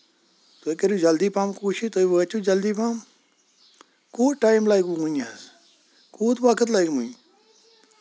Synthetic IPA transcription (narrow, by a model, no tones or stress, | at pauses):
t̪okeɾjud͡ʒɐld̪iːpaːmkuːʃit̪oːiʋət͡ʃud͡ʒɐld̪iːpaːm | kuːʈaːjmlaːjkuɡuɲs | kuːt̪ʋaːkʰət̪laːikmuɲ